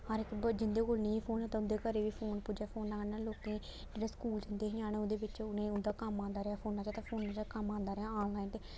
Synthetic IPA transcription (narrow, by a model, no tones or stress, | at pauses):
aɾɪkbd͡ʒɪnd̪eːkoːlnĩːpʰoːnɛːt̪ãːʊnd̪eːkəɾeːʋiːpʰoːnpʊd͡ʒaːpʰoːnãːkənːaːloːkẽː | d͡ʒeːɽaːskuːld͡ʒɪnd̪eːɦɪãːneːʊnd̪eːbɪt͡ʃʊnẽːʊnd̪aːkəmãːnd̪aːɾɪaːpʰoːnãːt͡ʃaːt̪ãːpʰoːnːãːt͡ʃakəmãːnd̪aːɾɪaaːɡaːẽːt̪eː